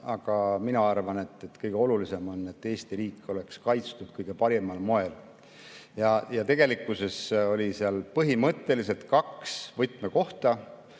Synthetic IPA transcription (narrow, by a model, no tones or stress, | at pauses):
ɑɡ̥ɑminɑɑrvɑne̞t̪ːˑet̪ːkɤjɡ̥eo̞lulise̞mo̞ne̞t̪ːe̞ːst̪iɾiːkːˑo̞le̞kskɑjt̪st̪ud̪̥kɤjɡ̥e̞pɑɾemɑlmo̞e̞l | jɑjɑt̪e̞ɡe̞likːˑuse̞so̞lʲiseɑlpɤɦimɤt̪ːe̞lise̞lt̪kɑksvɤjt̪ːˑmeko̞ht̪ɑ